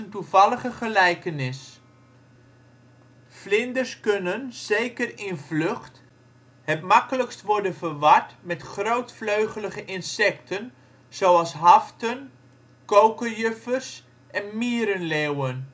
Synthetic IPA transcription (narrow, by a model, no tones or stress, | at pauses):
əntuvɑləχəχəlɛjkənɪs | flɪndəɹskɵnənz̥ejkərɪnvlɵχt | hɛtmɑkələkstʋɔɹdənvəɹʋɑɹtmɛtχrowtfløɥχələχəʔɪnsɛktʰən | z̥owɑlˠsɦɑftən | kowkəjʏfərs | ʔɛnmiːəɾənlewən